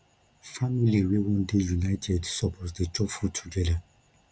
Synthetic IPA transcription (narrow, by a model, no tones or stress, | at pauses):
familiwewɔ̃ndejunaɪtʰɛdsɔpʰɔtdet͡ʃɔfutʰuɡɛda